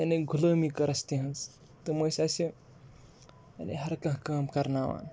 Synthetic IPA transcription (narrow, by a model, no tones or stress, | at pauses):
ɐneɡʱuləːmikɐɾɐst̪iɦɐns | t̪ɨmoːsaːsi | ɐ̰nḛɦɐɾkɐ̃ɦkaːmkɐɾnaːʋa̰ːn